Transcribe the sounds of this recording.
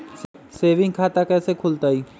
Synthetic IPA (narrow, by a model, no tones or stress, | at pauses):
seːʋɪ̃ŋɡkʰaːt̪akɛːsekʰʊlt̪aːiː